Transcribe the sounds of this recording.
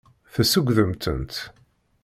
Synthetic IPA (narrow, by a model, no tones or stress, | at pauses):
θæsəɡʷðəmt̪ə̰nt̪